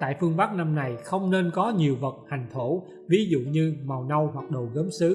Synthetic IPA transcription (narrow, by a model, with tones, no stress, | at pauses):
t̪a̰ː˧˨jfɨ˧əŋvaː˦˥k̚na˧mna˨˩jxə˧wŋ͡mne˧nkɔ˨˦ɲi˨˩əwvə˨˩t̚ha˨˩jŋ̟t̪ʰo˧˩ | vi˨˦zṵ˧˨ɲɨ˧ma˨˩wna˧whwa˨˩k̚ɗo̰˨˩wɣəː˨˦msɨ˨˦